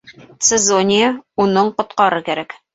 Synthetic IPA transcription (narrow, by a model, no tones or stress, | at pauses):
t̪sɘzonʲɪjaunɤɴqŏt̪qɑɾɤkæɾæk